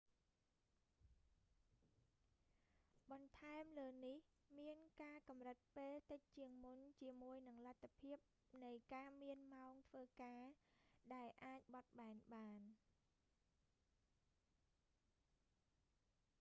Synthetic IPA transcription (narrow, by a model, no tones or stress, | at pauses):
ɓɑnt̪ʰaɛmləːnihmiənkaːkɑmrɨt̪̚peːlt̪ɨc̚t͡ɕiəŋmunt͡ɕiəmuəjnɨŋlat̪ʰːapʰiəp̚ | nɨjkaːmiənmaɔŋt̪ʰʋəːkaːɗaɛlʔaːc̚ɓɑt̪̚ɓaɛnɓaːn